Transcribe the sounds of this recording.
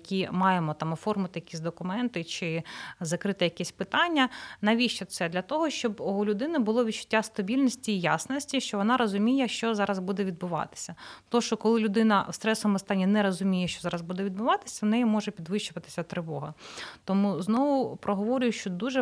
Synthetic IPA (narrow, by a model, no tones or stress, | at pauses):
jɐkʲimɑjemɔt̪ɑmɔfɔrmʊt̪ɪjɐkʲisʲd̪ɔkʊmɛnt̪ɪt͡ʃɪzɐkɾɪt̪ɪjɐkɛsʲpɪt̪ɑnʲːɐnɐʋʲiʃt͡ʃɛt̪sɛd̪lʲɐt̪ɔɦɔʃt͡ʃɔbɔɦɔlʲʊd̪ɪnɪbʊlˠɔʋʲid̪t͡ʃʊ̥tʲːast̪ɐbʲilʲnʲɔsʲtʲiːjasnɔsʲtʲiʃt͡ʃɔʋɔnɑɾɔzʊmʲijɛʃt͡ʃɔzɑɾɐzbud̪ɛʋʲid̪̚bʊʋɑ̰t̪ɪ̥sʲɐt̪ɔʃt͡ʃɔkɔlˠɪlʲʊd̪ɪnɐwst̪ɾɛsɔmɔst̪ɑnʲːinɛɾɔzʊmʲijɛʃt͡ʃɔzɑɾɐzbud̪ɛʋʲid̪bʊʋɑt̪ɪ̥sʲɐnɛjimɔʒɛpʲid̪ʋɪʃt͡ʃʊʋɐt̪ɪ̥sʲɐt̪ɾɪʋɔɦɐt̪ɔmuznɔʋʊpɾɔɦɔʋɔɾʲʊjʊʃt͡ʃɔd̪uʒɛ